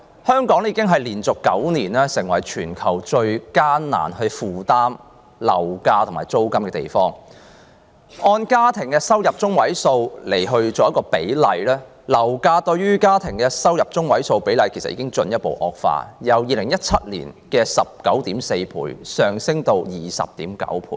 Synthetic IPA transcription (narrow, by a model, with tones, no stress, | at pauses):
hœː˥ŋkɔː˨˥ŋjiː˧kɪ˥ŋɦɐ˨jliː˨˩nt͡sʊ˨kːɐ˨˥wniː˨˩nɛː˥sɪ˨˩ŋwɐ˨˩jt͡ʃʰyː˨˩nkʰɐ˨˩wt͡ʃɵ˧ɥkaː˥nna̰ː˨˩nhɵ˧ɥfuː˨t̪aː˥m | lɐ̰˨˩wkaː˧t̪ʰʊ˨˩maː˨jt͡so˥wkɐ˥mkɛː˧t̪ḛ˨˩jfɔː˥ŋ | ʔɔː˧nkaː˥t̪ʰɪ˨˩ŋkɛː˧sɐ˥wjɐ˨p̚t͡ʃʊ˥ŋwɐ˨˥jso˧wle˨˩jɦɵ˧ɥt͡ʃoɔː˨jɐ˥kɔː˧pe˨˥jlɐ˨jlɛː˥ | lɐ˨˩wkaː˧t̪ɵ˧ɥyː˥kaː˥t̪ʰɪ˨˩ŋkɛː˧sɐ˥wjɐ˨p̚t͡ʃʊ˥ŋwɐ˨˥jso˧wpe˨˥jlɐ˨˧jkʰe˨˩sɐ˨t̚ʔiː˧kɪ˥ŋt͡ʃɵ˧njɐ˥t̚po̰˨wʔɔː˨˧k̚fa̰ː˧jɐ˨˧wjiː˨˧lɪ˨˩ŋjɐ˥t̚t͡sʰɐ˥t̚lḭː˨˩nkɛː˧sɐ˨p̚kɐ˨˥wt̪iː˨˥mse˧jpʰṵː˨˩jsœː˨˩ŋsɪ˥ŋt̪o˧wjiː˨sɐ̰˨p̚t̪iː˨˥mkɐ̰˨˥wpʰṵː˧˨